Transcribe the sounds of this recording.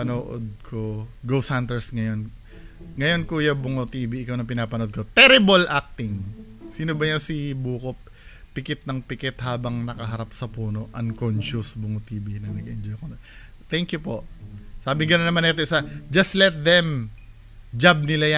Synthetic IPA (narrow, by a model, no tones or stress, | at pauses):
ɐnoːʔod̪̚kʰoɡowshɐnt̪ɛɹsŋɐjo̞n | ŋɐjo̞nkuːjabʊŋot̪iːbiɪkawnɐŋpɪnaːpɐnoʔod̪ko̞t̪ɛɾɪbɐlʔak̚t̪ɪŋ | siːnobɐjɐnsibuːkopː | ɪkɛt̪̚nɐŋpɪkɛt̪haːbɐŋnɐkɐɦɐɾap̚sɐpuːno̞ʔɐnkonʃʊsbʊŋot̪iːbinɐŋnɐɡɪ̰nd͡ʒojkon | t̪ɛŋkjʊpo̞ʔsaːbɪŋɡɐnonːɐmanɛt̪oʔɪsɐd͡ʒɐst̪lɛt̪̚ðɛm | d͡ʒab̚nɪlaja